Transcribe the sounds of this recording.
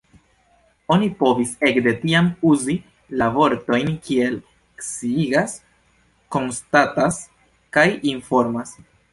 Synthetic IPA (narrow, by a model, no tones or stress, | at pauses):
o̞nipo̞vise̞kde̞tiamuzi | lavo̞ɾto̞jnkʰie̞l | ksiiɡas | ko̞nstatas | kajinfo̞ɾmas